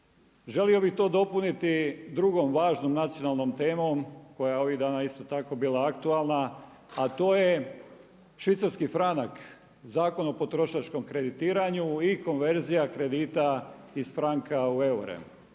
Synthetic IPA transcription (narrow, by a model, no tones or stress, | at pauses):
ʒe̞lio̞bixt̪o̞ːd̪o̞punit̪id̪ɾuɡo̞mʋaːʒno̞mnat̪sio̞nalˠno̞mt̪e̞ːmo̞mko̞jajeo̞ʋiɣd̪aːnaist̪o̞t̪ako̞biːlˠaakt̪ualˠna | at̪o̞ːje | ʃʋit̪saɾskifɾanak | zaːko̞nopo̞t̪ɾo̞ʃat͡ʃko̞mkɾe̞d̪it̪iːɾaɲuiko̞nʋe̞ɾzijakɾe̞d̪iːt̪aizfɾaŋkaue̞uɾḛm